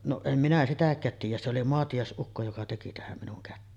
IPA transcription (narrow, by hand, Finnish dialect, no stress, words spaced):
noʔ em minæ sitækˑæːt tiːjˑæ se oli moɑtijɑˑesʔukːo jokɑ teki tæhæm minuŋ kætːeːn